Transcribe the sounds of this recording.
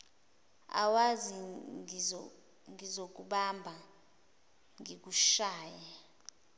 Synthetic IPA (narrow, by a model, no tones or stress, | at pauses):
a̰wazi | ŋizok̬uɓambʱa | ŋik̬uʃaːja